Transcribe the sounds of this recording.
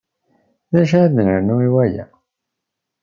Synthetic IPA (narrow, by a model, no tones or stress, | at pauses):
ðæʃad̪nəɾnuiwæjæ̰